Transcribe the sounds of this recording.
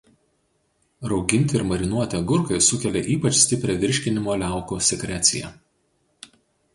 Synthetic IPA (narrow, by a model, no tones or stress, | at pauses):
ɾɒʊɡʲɪnʲt̪ʲɪɪɾmɐɾʲɪnuɔt̪ʲɛɡʊɾkɐɪsʊkʲɛlʲeʔiːpɐt͡ʃsʲt̪ʲɪpʲɾʲɛʋʲɪɾʲʃʲkʲɪnʲɪmoːlʲæˑʊkusʲɛkɾʲæt̪sʲɪ̰jɛ̰